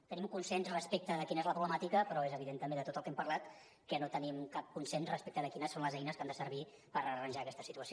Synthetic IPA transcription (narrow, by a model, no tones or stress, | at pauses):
t̪ənimkunsɛnzrəspek̚t̪əðəkinəezləpɾuβləmat̪ikəpɾɔezəβiðent̪əmend̪ət̪ot̪əlˠkɛmpərlat̪ | kənot̪ənimkap̚kunsɛnzrəspek̚t̪əðəkinəsːonləzɛjnəskand̪əsəɾβi | pəɾərənʲʒakɛst̪ə̥sit̪uəsi